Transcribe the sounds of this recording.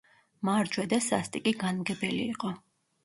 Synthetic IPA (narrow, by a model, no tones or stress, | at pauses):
maɾd͡ʒwɛd̪asa̰st̪ʼikʼiɡanmɡɛbɛlḭːqʼɔ